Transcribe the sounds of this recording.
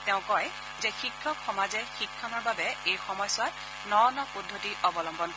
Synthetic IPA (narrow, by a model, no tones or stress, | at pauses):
tɛʊ̃kɔj | zɛxikʰːɔkxɔmazɛxikʰːɔnɔɹbabɛejxɔmɔjsɔt | nɔɹɔnɔpudʱːotiʔɔbɔlɔmbɔnk